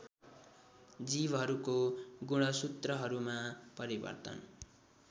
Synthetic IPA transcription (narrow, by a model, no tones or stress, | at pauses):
d͡zibɦʌɾukoɡuɽ̃ʌsut̪rʌɦʌɾumapʌɾibʌ̰rt̪ʌ̰n